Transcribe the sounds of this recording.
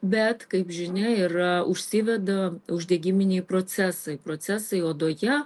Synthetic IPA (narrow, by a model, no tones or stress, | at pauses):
bʲɛt̪kɐɪpʒʲɪnʲɛɪɾɐʊʃʲsʲɪʋʲɛd̪ɐʊʒʲd̪ʲɛːɡʲɪmʲɪnʲɛɪpɾoːt̪sʲæsɐɪpɾoːt̪sʲæsɐɪoːd̪oːjɛ